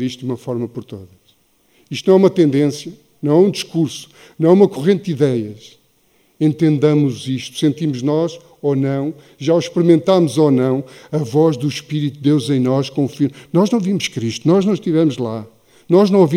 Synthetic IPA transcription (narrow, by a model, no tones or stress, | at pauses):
iʃt̪d̪umɐfɔɾmɐpɔɾt̪oðɐʃ | iʃt̪nɐ̃w̃ɛumɐt̪ẽnd̪ẽsjɐ | nɐ̃w̃ɛũd̪iʃkuɾsu̥ | nɐ̃w̃ɛumɐkuʁẽnt̪̚d̪iðɛjɐʃ | ẽnt̪ẽnd̪ɐmuziʃt̪u̥sẽnt̪imuʒnɔʃ | onɐ̃w̃ | ʒauʃpɨɾimẽnt̪amuzonɐ̃w̃ɐvɔʒðuʃpiɾit̪uːewzẽj̃nɔʃkõufiɾnɔʒnɐ̃w̃vimuʃkɾiʃt̪unɔʒnɐ̃w̃ʃt̪ivɛmuʒlˠa | nɔʒnɐ̃w̃ovi